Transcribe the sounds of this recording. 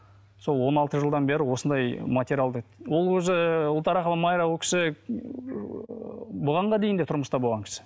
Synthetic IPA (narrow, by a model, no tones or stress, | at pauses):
so̞lˠwo̞nɑlˠt̪əʒəlˠd̪ɑnbeɾɪwo̞sənd̪ɑjmat̪ʲeɾʲjalˠd̪əwo̞lˠwɵzɪʊlˠt̪ɑɾɑqəlˠəmɑjɾɑwokʲʰɪ̥sɪ | boʁɑɴʁɑd̪e̞jɪnd̪e̞t̪ʰʊɾməst̪ɑbolʁɑŋkʲɪ̥sɪ̥